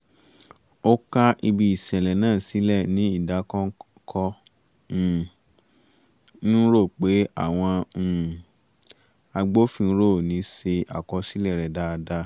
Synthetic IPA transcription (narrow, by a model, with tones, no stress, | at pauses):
o˦ka˦ʔi˧bi˧i˨sɛ˨lɛ˨nãː˦˨si˨˦lɛ˦˨nĩ˨˦i˦˨da˨˦kɔ̃˦ | kʰɔ˧˦˨ | nũ˦ɾo˦˨k͡pe˨˦a̰˦˨w̃ɔ̃˧˨ | a˧ɡ͡bo˦fĩ˧˦ɾo˦˨nĩ˨˦se˧ʔa̰˨kɔ˧si˦lɛ˦˨ɾɛ˨da˧˦˧da˧˦